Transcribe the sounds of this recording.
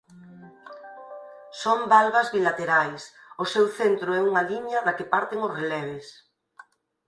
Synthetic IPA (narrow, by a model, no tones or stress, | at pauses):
sombalβazβilat̪eɾajs | ʊsewθent̪ɾʊɛuŋaliɲaðakepaɾt̪eŋosrelɛβ̞es